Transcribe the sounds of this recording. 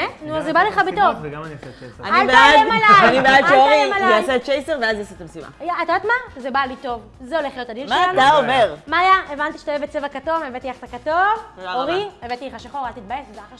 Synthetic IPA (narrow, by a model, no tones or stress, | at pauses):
enuazebaleχabet̪ovnianibeaaemalajanibeadʃeoʁimalʃeasett͡ʃejseʁveazjaset̪amesima̰jaat̪aat̪mazebalito̞v | zeo̞leχlijo̞t̪adilʃmaelantaomeʁmaːjaevant̪iʃḁt̪ajevet͡sevakato̞mevet̪iaχtakatovoʁievet̪ileχaʃaχoʁalt̪it̪̚baesedaaχa